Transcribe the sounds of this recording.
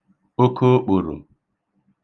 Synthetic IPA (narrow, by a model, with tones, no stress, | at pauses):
o˦kʰo˦k͡pʊ˨ɾo̰˨